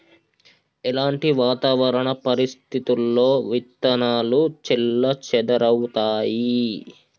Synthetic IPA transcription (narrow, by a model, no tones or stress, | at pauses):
ɛlaːɳʈiʋaːt̪aːʋɐɾɐɳɐpɐɾist̪ʰit̪ulːo̞ːʋit̪ːɐnaːlut͡ʃilːɐt͡ʃɛd̪ɐɾɐwt̪aːji